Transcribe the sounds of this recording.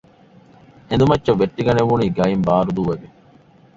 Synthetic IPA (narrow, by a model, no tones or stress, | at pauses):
end̪umɐtːt͡ʃɐʋːeʈːiɡɐneʋuniːɡɐjimbaːɾud̪uʋɐɡe